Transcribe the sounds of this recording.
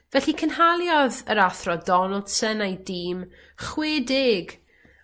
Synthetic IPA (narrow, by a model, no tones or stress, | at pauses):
vɛɬikʰənhalˠjɔðəɾaθrɔdɔnəlˠd̥sənajdiːm | χweːdɪɡ